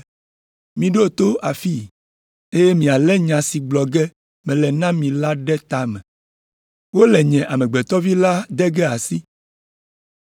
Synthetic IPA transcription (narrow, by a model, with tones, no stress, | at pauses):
mĩ˨ɖo˦˨t̪o˦ʔa˨fi˦ | e˦je˦mĩ˨a˨lɛ˦ɲã˨si˨ɡ͡blɔ˨ɡɛ˦ | mɛ̃˨lɛ˨nã˦mĩ˨la˦ɖɛ˦t̪a˨mɛ̃˨ | wo˦lɛ˨ɲɛ̃˨ʔa˨mɛ̃˨ɡ͡bɛ˨t̪ɔ˦vi˦la˦d̪ɛ˦ɡɛ˦a˨si˦